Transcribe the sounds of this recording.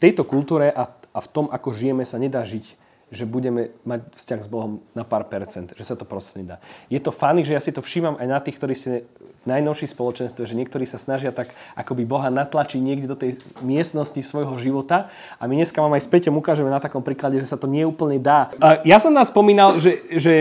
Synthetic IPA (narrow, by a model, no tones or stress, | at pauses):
t̪ɛjt̪ɔkult̪uːɾɛʔaaft̪ɔmakɔʒijɛmɛsaɲɛd̪aːʒic | ʒɛbuɟɛmɛmacfscaɣzbɔɦɔmnapaːɾpɛɾt͡sɛnd̪ʒɛsat̪ɔpɾɔsɛɲɛd̪a̰ːjɛt̪ɔfaniʒɛjasit̪ɔfʃimamajnat̪iːxkt̪ɔɾiːscɛnajnɔʊʃispɔlɔt͡ʃɛnst̪ʋɛʒɛɲɪɛk̚t̪ɔɾiːsasnaʒɪat̪akʔakɔbibɔɦanat̪lat͡ʃiɟɲɪɛɡɟɛd̪ɔt̪ɛj | mɪɛst̪nɔscisʋɔjɦɔʒiʋɔt̪a | ʔamiɲɛskaʋamajspɛcɔmukaːʒɛmɛnat̪akɔmpɾiːklaɟɛʒɛsat̪ɔɲɪɛuːpl̩ɲɛd̪aːjasɔmnamspɔmiːnalʒɛʒɛ